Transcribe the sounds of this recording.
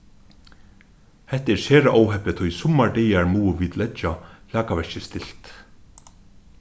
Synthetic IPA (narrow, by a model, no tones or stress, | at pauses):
hɛht̪ɛɹsɛːɾaʔɔwɦɛpɪt̪ʰʊjsʊmːaɹɖɛːjaɹmuːviːt̪lɛt͡ʃalaːkaʋɛʃt͡ʃɪst̪ɪl̥t̪